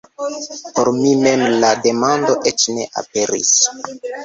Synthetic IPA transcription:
po̞ɾmime̞mlade̞mandoʔet͡ʃne̞ʔa̰pe̞ɾḭs

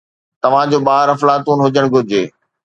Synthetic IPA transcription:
t̪ɐʋ̤ãd͡ʑoːɓaːɾɐflaːt̪uːnɦʊd͡ʑəɽ̃ɡʱʊɾɪd͡ʑeː

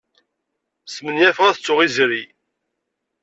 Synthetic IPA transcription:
smənjæfʁæθət͡sːʊʁizɾi

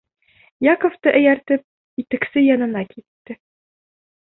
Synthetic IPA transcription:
jɑkŏft̪ɤʔɘ̆jæɾt̪ɘp̚ | it̪ɘ̆ksɘjɒnɤ̆nɑkʰit̪ːɘ

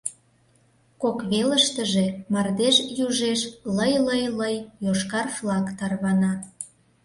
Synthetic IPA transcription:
kokβeləʃt̪əʒe̽mɑrd̪eʃjuʒeʃləjləjləjːoʃkɑrflɑkt̪ɑrβɑnɑ

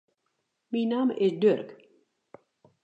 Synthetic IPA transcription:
minaːmʔɪsdørk

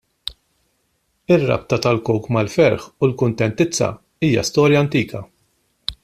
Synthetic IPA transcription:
ɪrːɐ̰p̚t̪ɐt̪ɐlkɔwkmɐlfɛɾħulkʊnt̪ɛnt̪ɪt͡sːɐ̰ | iːjɐ̰st̪ɔːɾjɐːnt̪iːkʰɐ

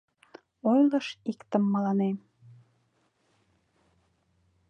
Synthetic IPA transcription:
ojləʃikt̪əmːɑlɑnem

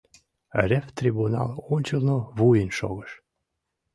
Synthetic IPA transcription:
rʲeft̪rʲibunɑ̰lonʲt͡ɕəlnoβujənʃo̰ɣəʃ

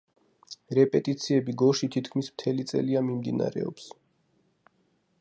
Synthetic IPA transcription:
ɾɛpʼɛt̪ʼit̪sʰiɛbiɡɔʃit̪ʰit̪ʰkʰmismt̪ʰɛlit̪sʼɛ̰liamimd̪ina̰ɾɛ̰ɔ̰ps

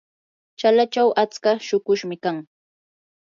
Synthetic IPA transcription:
t͡ʃalat͡ʃawʔat͡skaʃʊkʊʃmɪkaŋ

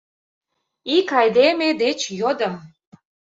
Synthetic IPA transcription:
ikɑjd̪emed̪et͡ɕjod̪ə̆m

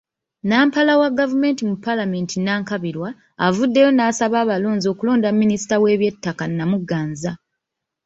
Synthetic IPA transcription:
naːmpalawaɡavume̞ːntimupːalame̞ːntinaːŋkaβiɾwaː | vudːe̞jo̞naːsaβaːβaloːnzio̞ːkulo̞ːndamːinisi̥tawe̞ːβje̞tːakanːamuɡːaːnza

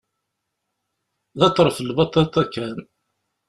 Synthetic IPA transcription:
ðɑt̪ˤːɾˤfəlbɑt̪ˤːɑt̪ɑkːæn

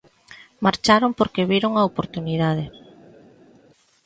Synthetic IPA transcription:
maɾt͡ʃaɾompoɾkeβiɾoŋɐopoɾt̪uniðað̞e

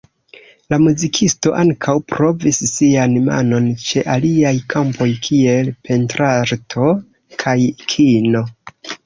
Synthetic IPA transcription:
lamuzikʰisto̞ʔaŋkʰawpɾo̞visːianma̰no̞nt͡ʃe̞ʔaliajkʰampʰo̞jkʰie̞lpʰe̞ntɾaɾtʰo̞ | kʰajkʰino̞

